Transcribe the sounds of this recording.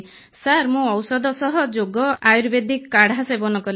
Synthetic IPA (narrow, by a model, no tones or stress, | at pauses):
saɾmũɔwsɔd̪ʱɔsɔɦɔd͡ʒoɡɔajuɾbed̪ikːaɽ̤asebɔnɔkɔl